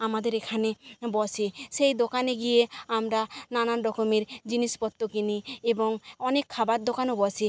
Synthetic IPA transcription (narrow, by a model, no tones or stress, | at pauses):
amad̪eɾekʰanebɔsʰisejd̪okaneɡieamɾanananɖɔkomiɾd͡ʒinispɔt̪ːokiniebɔŋɔnekʰːabaɾd̪okanobɔsʰi